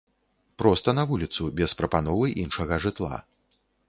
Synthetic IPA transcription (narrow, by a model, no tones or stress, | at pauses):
pɾɔst̪ɐnɐvulʲit̪subʲɛspɾɐpanɔvɨʔinʂɐɣɐʐɨt̪lˠa̰